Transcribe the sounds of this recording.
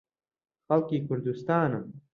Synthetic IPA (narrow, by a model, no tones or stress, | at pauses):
xɐlkikʊɾd̪ust̪ɑːnɐm